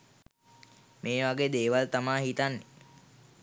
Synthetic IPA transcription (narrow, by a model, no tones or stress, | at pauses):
meːʋaɡeːd̪eːʋalt̪amaːɦit̪anːe